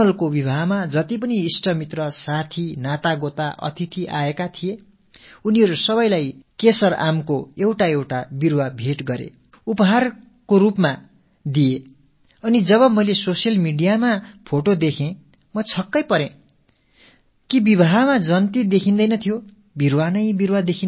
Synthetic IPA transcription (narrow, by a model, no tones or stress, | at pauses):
ʌlkobibʱaɦmad͡zʌt̪ip̬ʌniːsʈʌmit̪rʌsat̪ʰinat̪aɡot̪aʔʌ̰t̪ʰit̪ʰiʔa̰ekat̪ʰije | uniɦʌɾusʌβʌjlajkesʌrʔa̰mkoewʈaewʈabirwʌbʱeʈɡʌɾḛ | upʌɦar | koɾupma | d̪ije | ʌnid͡zʌβʌmʌjlesosijʌlmiɖijamapʰoʈod̪ekʰẽ | mʌt͡sʰʌkːʌjpʌɾẽ | kibibʱaɦmad͡zʌnt̪id̪ekʰind̪ʌjnʌt̪ʰijo | birwanʌjbirwad̪ekʰin